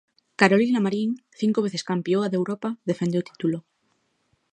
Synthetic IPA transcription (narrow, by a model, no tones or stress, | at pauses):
kaɾolinamaɾiŋθiŋkoβeθeskampjoaðewɾopaðe̞fend̪eot̪i̥t̪ulo